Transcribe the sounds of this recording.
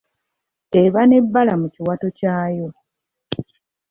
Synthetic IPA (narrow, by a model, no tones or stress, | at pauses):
e̞βane̞bːalamuciwato̞caːjo̞